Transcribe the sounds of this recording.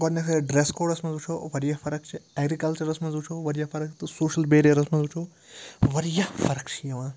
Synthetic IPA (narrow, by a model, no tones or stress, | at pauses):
ɡɔɾnɐsɐɖɾeːskoːɖɐsmɐ̃nzut͡ʃʰoːʋɐɾijɐfɐɾɐk̚t͡ʃʰieːɡɾikɐlt͡ʃɐɾɐsmɐnzut͡ʃʰoːʋɐɾijɐfɐɾɐkt̪ɨsoːʃɐlbeːɾijɐɾɐsmɐnzut͡ʃʰoː | ʋɐɾijɐfɐɾɐkt͡ʃʰijɐʋãː